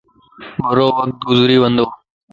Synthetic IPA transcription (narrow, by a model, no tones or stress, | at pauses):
bəɾoːʋəkt̪̚ɡʊzɾiːʋənd̪oː